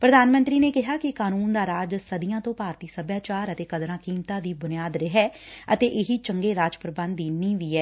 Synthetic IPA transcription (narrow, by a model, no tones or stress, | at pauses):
pɾəd̪aːnmə̃nt̪ɾiːneːkɪɦaːkɪkaːnuːnd̪aːɾaːd͡ʒsəd̪ɪjãːt̪õːpaːɾt̪iːsəbjaːt͡ʃaːɾət̪eːkəd̪ɾãːkiːmt̪ãːd̪iːbʊnɪjaːd̪ɾɪɦɛːət̪eːʔɪɦiːt͡ʃəŋɡeːɾaːd͡ʒpɾəbə̃nd̪iːnĩːʋiːɛː